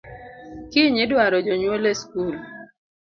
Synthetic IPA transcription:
kɪɲɪdwaɾɔd͡ʒɔɲwoleskul

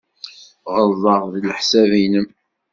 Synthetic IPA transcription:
ʁəlðˤəʁðilħsævinəm

